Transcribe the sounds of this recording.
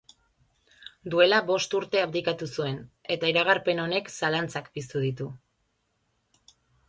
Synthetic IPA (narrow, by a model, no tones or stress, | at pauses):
d̪ue̞laβo̞st̪uɾt̪e̞apd̪ikat̪usue̞ne̞t̪aiɾaɣ̞aɾpe̞no̞ne̞ksalant͡sakpist̪uð̞it̪u